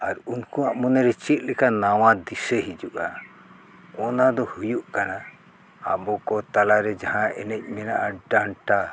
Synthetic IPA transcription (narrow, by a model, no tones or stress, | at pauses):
aɾunkuaʔmɔnɛɾɛt͡ʃit̪̚ˀlɛkanawad̪isɛɦid͡ʒuʔa | ɔnad̪ɔhujuʔkana | a̰bɔkɔt̪alaɾɛd͡ʒaɦãʔɛ̰nɛc̚ˀmɛnaʔaɖaɳʈa